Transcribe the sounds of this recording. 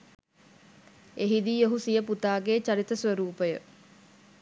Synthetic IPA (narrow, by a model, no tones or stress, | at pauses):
eɦid̪ioɦusijəput̪aːɡeːt͡ʃaɾit̪əsʋəɾuːpəjə